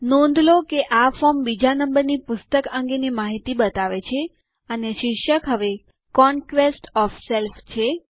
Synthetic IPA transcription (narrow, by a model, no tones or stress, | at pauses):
nõnd̪ʱlokeʔafɔmbid͡ʒanəmbəɾnipʊst̪əkə̃ŋɡenimaɦit̪ibət̪aʋet͡ʃʰe | əneʃɪkʃəkɦəʋe | kɔnkʋesʈɔfselft͡ʃʰe